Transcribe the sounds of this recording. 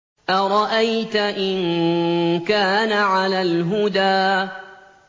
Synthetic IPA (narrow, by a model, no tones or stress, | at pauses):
ʔaɾˤɑʔajt̪aʔɪn | kaːnaʕalaːlɦʊd̪aː